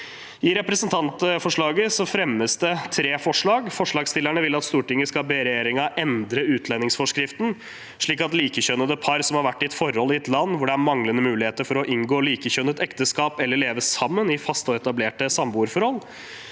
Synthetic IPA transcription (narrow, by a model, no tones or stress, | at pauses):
ɪɾɛpɾɛsənt̪ʰɑnt̪fɔʂɭɑːɡəsɔfɾɛmːəsd̪ɛt̪ʰɾeːfɔʂɭɑːɡfɔʂɭɑːɡst̪ɪlːæɳəʋɪlɑt̪st̪uːʈɪŋːəskɑbeɾɛjeːɾɪŋɑʔɛnd̪ɾəʉːt̪ʰlɛnːɪŋsfɔʂkɾɪft̪n̩ | ʂɭiːkɑt̪liːkəɕœnəd̪əpʰɑɾsɔmhɑɾʋæʈːɪɛt̪fɔɾɔlːɪɛt̪lɑnːʋʊɖɛæɾmɑŋlənəmʉːlɪheːt̪əɾfɔɾɔʔɪŋɡoːliːkəɕœnət̪ɛkt̪əskɑːpɛlːəɭeːʋəssɑmːənɪfɑst̪ɔɛt̪ɑbleːʈəsɑmbuːɾfɔɾhɔlː